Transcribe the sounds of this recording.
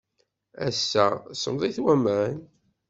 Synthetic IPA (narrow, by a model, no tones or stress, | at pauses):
æ̰sːæsəmðˤiθwæmən